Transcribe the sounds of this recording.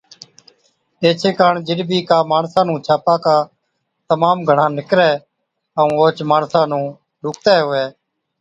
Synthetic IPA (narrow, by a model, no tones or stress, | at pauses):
eːt͡ʃʰeːkaːɳd͡ʒɪɗbʱiːkaːmaːɳsãːnũːt͡ʃʰaːpaːkaː | t̪əmaːmɡʱəɳãːnɪkɾɛː | əũːoːt͡ʃmaːnsãːnũː | lʊːkt̪ɛːɦʊːɛː